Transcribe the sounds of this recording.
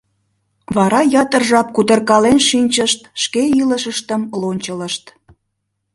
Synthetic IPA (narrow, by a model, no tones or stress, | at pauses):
βɑɾɑjɑt̪ərʒɑp̚kud̪ərkɑlenʃinʲt͡ɕəʃt̪ʃkeiləʃəʃt̪əmlonʲt͡ɕələʃt̪